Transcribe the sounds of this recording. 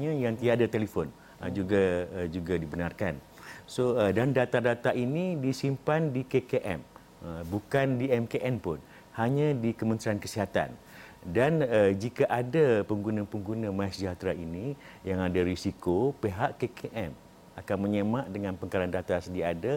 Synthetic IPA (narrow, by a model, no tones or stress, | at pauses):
ɲãjaŋt̪iaadat̪elifɔn | əd͡ʒuɡad͡ʒuɡadibənarkan | soədandat̪adat̪aʔinidisimpandikekeʔɛ̰m | əbukandiɛmkeʔɛmpʊn | haɲãdikəmə̃nt̪ɾiankəsiɦat̪a̰n | danəd͡ʒikaʔadapəŋɡunəpəŋɡunə̃masd͡ʒat̪ɾaini | jaŋadaɾisikopeɦaʔkekʰeʔɛm | akanməɲemãʔdəŋãnpəŋkaɾandat̪asədiada